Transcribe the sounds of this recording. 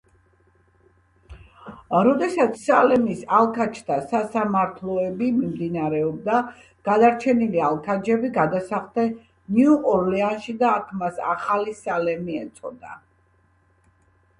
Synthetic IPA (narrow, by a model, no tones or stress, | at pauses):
ɾɔd̪ɛsat̪sʰsalɛmisalˠkʰat͡ʃʰt̪ʰasasamaɾt̪ʰlˠɔɛbimimd̪inaɾɛɔb̚d̪a | ɡ̥ad̪aɾt͡ʃʰɛnilialˠkʰad͡ʒɛbiɡad̪asaχt̪ɛ | niuʔɔɾlɛanʃid̪aːk̪ʰmasa̰χalisalɛmiɛt̪sʰʼɔ̰d̪a̰